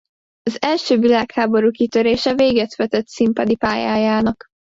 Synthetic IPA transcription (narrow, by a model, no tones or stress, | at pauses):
ɒzɛlʃøːvilaːkhaːbo̞ɾuːkit̪øɾeːʃɛveːɡɛt̪ʋɛt̪ɛt̪simpɒd̪ipaːjaːjaːnɒk